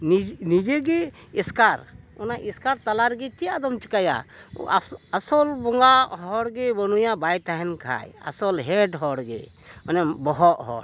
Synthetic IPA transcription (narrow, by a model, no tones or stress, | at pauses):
ninid͡ʒɛɡɛ | iskaɾɔnaʔiskaɾt̪alaɾɡɛt͡ʃijad̪ɔmt͡ʃi̥kaja̰ | asɔlbɔŋɡaɦɔɽɡɛbɔnujabajt̪aɦɛnkʰa̰ja̰sɔlɦɛɖɦɔɽɡɛ̰ | manɛbɔɦɔʔɦɔ̰ɾ